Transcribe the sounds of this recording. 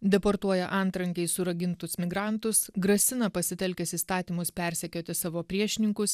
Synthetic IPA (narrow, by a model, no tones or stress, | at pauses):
d̪ʲɛpoɾt̪uɔjɛʔɐˑnt̪ɾɐŋʲkʲɛɪsʊɾɐɡʲɪnt̪ʊsmʲɪɡɾɑˑnt̪ʊsɡɾɐsʲɪnɐpɐsʲɪt̪ʲɛlʲkʲɛsiːst̪ɑːt̪ʲiːmʊspʲɛɾʲsʲɛkʲoːt̪ʲɪsɑːʋoːpʲɾʲiɛʃʲɪnʲɪŋkʊs